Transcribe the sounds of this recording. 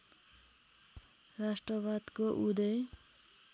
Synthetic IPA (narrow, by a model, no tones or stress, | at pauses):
rasʈrʌbad̪koʔud̪ʌj